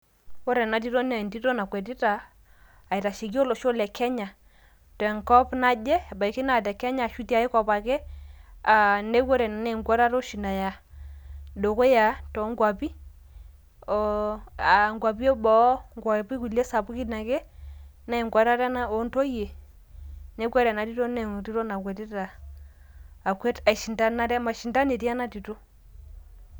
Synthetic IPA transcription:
wɔ˦ɾɛ˨na˨t̬i˦to˦na˨nti˦to˦na˨kwɛ˨ti˦taː˨ | i˨ta˨ʃi˨ki˦o˦lo˨ʃo˦lɛ˨kʰɛ˦ɲa˨ | tɔ˨ɛ˨ŋkɔ˦pna˦d͡ʒɛ˦˨ba˨i˨ki˦na˦˨t̬ɛ˨kɛ˦ɲa˨ʃu˦ti˦a˨˦i˦kɔ˨pa˨kɛ˦a˨nde˦kwo˦ɾɛ˨na˨ne˦˨ŋɡa˦ɾa˦ɾo˦ʃi˨na˨ja˨ | do˨ko˦ja˨tɔ˨˦ŋɡwa˨pi˦ | ɔ˨a˨ŋɡwa˨pi˦ɔ˦bɔ˨˦ŋɡwa˨pi˦ku˨lɛ˦sa˨pu˦ki˦na˨kɛ˦ | na˦e˨ŋɡwa˨˦ɾa˦ɾa˦na˦o˨˦nto˦je˨ | ne˦kwa˦ɾɛ˨na˨ti˦to˦nɛ˨ti˦ɾɔ˦na˨kwɛ˨tɛ˦ta˨ | kwɛ˦ta˨i˨ʃi˨nda˦na˦ɾɛ˦ma˨ʃi˨nda˦ne˨ti˦a˦na˦ti˨to˦

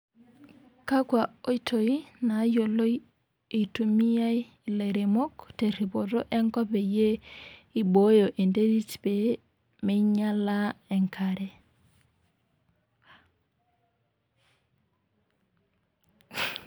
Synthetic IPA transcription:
ka˦kwa˨o˦i˦tʰo˨i˦na˨˦jo˨lo˦j | i˨tu˨mi˦ja˦i˨ | le˨ɾe˨mo˦kte˨ɾi˨bo˨to˦ʔɛ˦ŋkɔ˦pe˨je˦i˨bo˨˦jo˨ʔe˨nde˦ɾi˦tbe˨ | me˦ɲa˦la˦e˨ŋkʰa˨ɾe˨

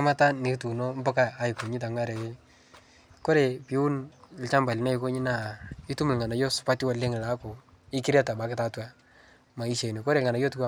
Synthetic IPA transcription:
a˦ma˦ta˦ni˨tu˨nɔ˦m˦bɔ˦kaː˦˨˦ji˨ko˨ɲi˦t̬a˨ŋa˦ɾɛ˨e˦ | kɔ˦ɾe˨pi˨˦ʊ˦nɪ˦lt͡ʃa˦mba˨li˨na˦jko˦ɲi˦na˦˨i˦tu˦mʊ˨lŋa˨na˨jɔ˦sʊ̥˦pa˦ti˦wa˨le˦ŋ˨la˦ko˨ | ɪ˦kɪ˦ɾa˦ta˨ba˨˦kɪ˦ta˦twa˦ | ma˨i˦ʃe˨ni˨kɔ˦ɾe˨ŋa˨na˨jɔ˦tkwa˦

